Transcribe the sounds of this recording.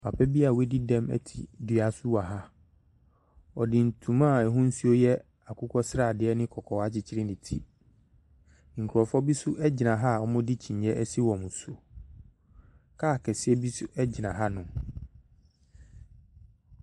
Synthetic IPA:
pʰa˨pɛ˦bi˦a˨we˦di˦dɛ̃˦mɛ̰˦tʰḭ˨dɥa˨sʊ˦wa˨ɦa˦ | ɔ˨dɪ̃˨n̩˨tʰũ˨mã˦˨ɛ˨ɦʊ̃˦n̩˦su˦o˦jɛ˦ | a˨kʰʊ˦kʰɔ˦sɾa˨dɪ˨ɛ˦nɪ̃˦kʰɔ˨kʰɔ˨wa˦t͡ɕʰɪ˦t͡ɕʰɪ˦ɾɪ˦nɪ̃˨tʰi˦ | ŋ̩˨kʰu˨ɾɔ˨fɔ˦bi˦sʊ˦ʔɛ˦d͡ʑɪ˨nã˨ɦa˦˨ɔ˦mʊ̃˦di˦t͡ɕʰĩ˨ɲjɛ˦ɛ˦si˦wɔ̃˨mũ˨so˨ | kʰaː˦˨kʰɛ˨sɪ˦ɛ˦bi˦sʊ˦ɛ˦d͡ʑɪ˨nã˨ɦa˦nʊ̃˨

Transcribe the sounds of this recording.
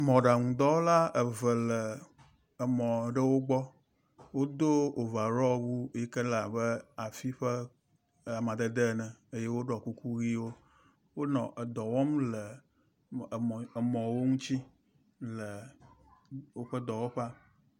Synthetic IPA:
mɔ̃˨ɖa˨ŋũ˨d̪ɔ˦wo˦la˦ə˨və˨lə˨ | ə˨mɔ̃˨ɖə˦wo˦ɡ͡bɔ˦ | wo˦d̪o˦o˨va˨ɾɔ˦wu˦je˦kə˦la˨bə˦a˨fi˦ɸə˦ | a˨mã˨d̪ə˦d̪ə˦˨nɛ̃˨e˦je˦wo˦ɖɔ˨ku˦ku˦ɣi˦wo˦ | wo˦nɔ̃˨ʔə˨d̪ɔ˨wɔ˦mlə˨ | mɔ̃˨wo˦ŋũ˦t͡ɕi˦ | lə˨ | wo˦ɸə˦d̪ɔ˨wo˦ɸa˦

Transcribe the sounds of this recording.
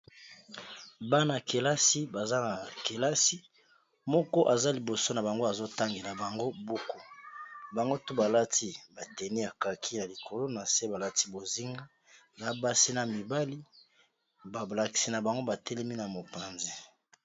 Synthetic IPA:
ba˦na˨ke˨la˦si˦ba˨za˦na˨ke˨la˦si˦ | mɔ˦kɔ˦ʔa˨za˦li˨bo˨so˦na˨ba˨ŋɡo˦a˨zo˦ta˦ŋɡi˨na˨ba˨ŋɡo˦bo˦ko˦ba˨ŋɡo˦tu˦ba˨la˦ti˦ba˨tɛ˨ni˦a˨ka˨kʰi˦na˨li˨kʰo˨lo˦na˨se˦ba˨la˦ti˦bo˨zi˦ŋɡa˦ | ba˨˦ba˦si˦na˨mi˨ba˦li˦ | ba˨la˨ki̥˨si˨na˨ba˨ŋɡo˦ba˨tɛ˦lɛ˦mi˦na˨mo˨pa˨nze˦

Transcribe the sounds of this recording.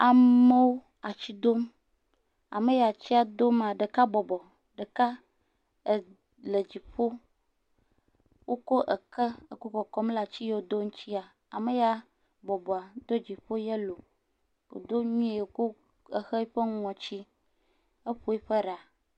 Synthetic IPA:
a˨me˦wo˦ | a˨t͡ɕi˦d̪o˦m | a̰˨me˦ja˨t͡ɕi˦a˨d̪o˦m˦˨a˨ɖe˨ka˦bɔ˨bɔ˨ | ɖe˨ka˦ | e˨ | le˨d͡ʑi˨ɸo˦ | wʔo˦ko˦ʔə̰˨kə˦e˨ko˦kɔ˨kɔ˦m˦la˨t͡ɕi˦je˦wo˨d̪o˦ŋũ˦t͡ɕi˦a˨ | a˨me˨ja˦ | bɔ˨bɔ˨a˨d̪o˦d͡ʑi˨ɸo˦je˦lo˨ | o̰˨d̪o˦ɲũ˦e˨je˨ko˦ | ə˨xe˦ɸe˦ŋ˦ɔ̃˨t͡ɕi˦ | ə˦ɸo˦e˦ɸe˦ɖa˨

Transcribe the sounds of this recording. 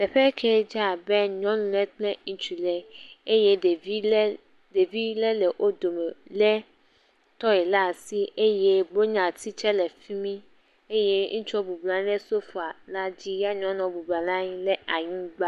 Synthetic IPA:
t̪ɛ˨ɸɛ˦kʰɛ˦d͡ʒa˦˨bɛ˦ɲɔ̃˦nũ˦lɛ˦k͡plɛ̃˦ŋ̩̃˦t͡ʃu˨lɛ˨e˦je˦˨˦ | de˨vi˦lɛ˦lɛ˨ʔo˦d̪o˨mɛ˨lɛ˦ | t̪ɔ˦ɛ˨la˦˨si˦e˦je˦bo˦ɲã˨t̪i˦t͡ʃɛ˦lɛ˨fi˦mĩ˦ | e˦jɛ˦ŋũ˦t͡ʃu˦ɔ˦bu˨bla˨ñ˦ɛ˦so˦fu˨a˨la˦d͡ʑi˦ja˦ɲɔ̃˦nɔ̃˨bu˨bla˨la˦ɲĩ˦lɛ˦a˨ɲũ˦ɡ͡ba˦

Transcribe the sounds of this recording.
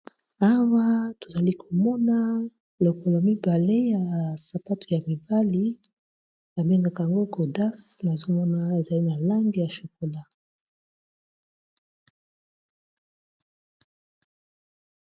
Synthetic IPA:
a˦wa˦to̥˨za˨li˦kʰo˨mɔ˦na˦ | lo˨ko˨lo˨mi˦ba˨le˦ja˨sa˨pa˦tu̥˨ja˨mi˨ba˦li˦ | a˨be˦ŋɡa˨ka˨ja˨ŋɡo˦ɡo˨da˦sna˨zo˦mɔ˦na˦e˨za˨li˦na˨la˦ŋɡi˨ja˨ʃo˨ko˨la˦

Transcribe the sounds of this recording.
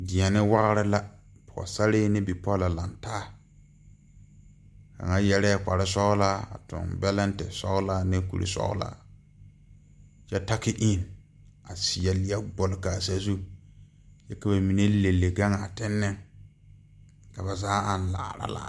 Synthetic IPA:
dɪ˨ɛ˨nɪ˦wa˦ɣɾɪ˦la˦ | pʊ˨a̰˨sa˦lɪ˦nɪ˦bi˨pɔ˦la˨la˨ntaː˦ | ka̰˨ŋa˦jɛ˦ɾɛː˦k͡pa˨ɾɪ˦sɔ˦ɣla˦a̰˨tʊ̰˨nbɛ˦lɛ˦n˦tɛ˨sɔ̰˦ɣla˦nɪ˦kṵ˨ɾḭ˨sɔ̰˦ɣʊ̰˦la̰ː˦ | t͡ʃɛ˦ta˦kɪ˦ʔi˦˨n | a˨sɪ˨a˨lɪ˨a˦ɡ͡bʊ˨lka˨sa˦zu˦ | jɛ˦ka˨ba˨mi˨ne˦le˨lːe˨ɡa˦ŋa˨tɪ˦nːɪ˦ | ka˨ba˨zaː˦a˨n˦la̰ː˨ɾa̰˦la̰˨

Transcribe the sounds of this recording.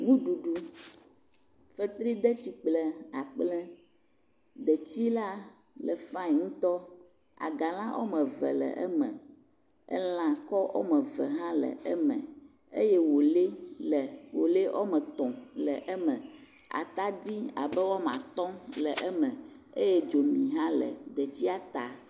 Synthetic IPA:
ŋũ˦ɖu˨ɖu˦ | fə˦t̪ɾi˦d̪ɛ˦t͡ɕi˦k͡plɛ˨a˨k͡plɛ˦ | d̪ɛ˨t͡ɕi˦la˦ | lə˨fã˦˨ŋũ˦t̪ɔ˦ | a̰˨ɡa˨l̃ã˦ʔo̰˦mə̃˨vɛ̰˨lɛ̰˨ʔɛ̰˦mɛ̰̃˨ | ɛ̰˦l̃ã˨kɔ˦ʔo̰˦mɛ˨və˨ɦã˦lə̰˨ʔə˦mə̃˨ | e˦jɛ˦wo˨le˦lɛ˨wo˨le˦ʔo̰˦mə̃˨t̪ɔ̃˨lɛ˨ʔɛ˦mə̃˨ | a̰˨t̪a˦d̪i˦a̰˨bɛ˦wɔ˦m˨ã̰˨t̪ɔ̃˦lɛ˨ʔɛ˦mə̃˨ | e˦jɛ˦d͡ʒo˨mĩ˨ɦã˦lə̰˨d̪ə˨t͡ɕi˦a˦t̪a˨

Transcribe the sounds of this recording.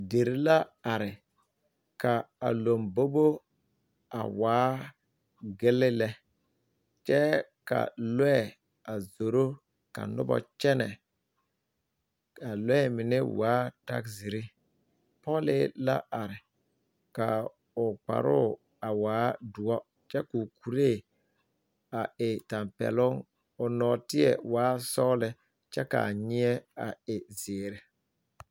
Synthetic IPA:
de˨ɾi˦la˦a˨ɾɪ˨ | ka˨a˨lo˨mbo˦bo˦ | a̰˨waː˨˦ | ɡɪ˦lɪ˦lɛ˦ | t͡ʃɛ˦ka̰˨lɛ˦˨ | a˨zo˨ɾo˦ | ka̰˨nʊ˦bɔ̰˨t͡ʃɛ˦nɛ˨ | a˨lɛ˦mɪ˨nɪ˦waː˨˦ta̰˦kzi˨ɾɪ˦ | pɔ˦lɪ˦la̰˦ʔa˨ɾɪ˨ | ka˨ | ʊ˨k͡pa̰˨ɾʊ˦˨ | a˨waː˨˦du˨ɔ˦ | t͡ʃɛ˦ku˨ku˨ɾe˦˨ | a˨ɪ˨ta˨mpɛ̰˨lʊ˦ŋ | ʊ˨nɔː˨tɪ˦ɛ̰˨waː˨˦sɔ˦lɪ˨ | t͡ʃɛ˦ka̰˨ɲɪ˦ɛ˦a̰˨ɪ˨zɪː˨ɾɪ˨

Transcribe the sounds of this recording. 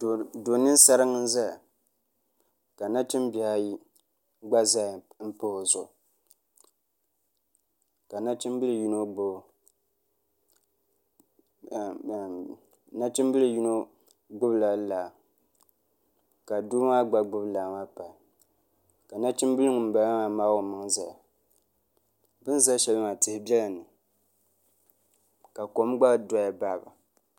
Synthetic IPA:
do˨nɨ˦n˦sa˦ɾɨ˦ŋɨ˦n̩˦za˦˨ | ka˨na˦t͡ʃi˦mbi˨a˦ji˦ | ɡ͡ba˦za˦˨m̩˦po˦ho˨zʊ˨ | ka˨na˦t͡ʃi˦m˦bɨ˦lɨ˨ju˦no˦ɡ͡bo˦˨ | na˦t͡ʃi˦m˦bɨ˦lɨ˨ju˦no˦ | ɡ͡bʊ˦bla˨˦laː˨ | ka˨duː˦ma˦ɡ͡ba˦ɡ͡bʊ˦blaː˨ma˦pa˨l | ka˨na˦t͡ʃi˦m˦bɨ˦lɨ˦ŋ˨m̩˨ba˨˦a˦ma˨maː˦wo˨mɨ˨˦ŋ˦za˨ja˨ | bɨ˦n˦za˦ʃɛ˨lɨ˦ma˨tɨ˨hɪ˦bɛ˦la˨nɨ˨ | ka˨ko˨˦m˦ɡ͡ba˦˨dɔ˦ja˨ba˦˨ba̰˨

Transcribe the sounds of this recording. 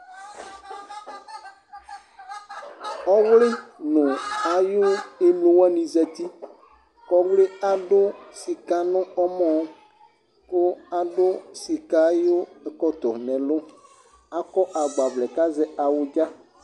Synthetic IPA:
ɔ˦wlɪ˦nʊ̃˨a˨jʊ˦e˦mlo˦wa˦nĩ˨zɛ˨t̪i˦ | kɔ˦wle˦a˨ɖʊ˦si˨ka˦nʊ̃˦ɔ˦mɔ̃˦ | ko˦a˨ɖʊ˦si˨ka˨˦jo˦e˨kɔ˦t̪ɔ˨nɛ̃˨lʊ˦ | a˦kɔ˦ʔa˨ɡ͡ba˨vlɛ˨ka˦zɛ˦a˨wʊ˨d͡ʒa˦

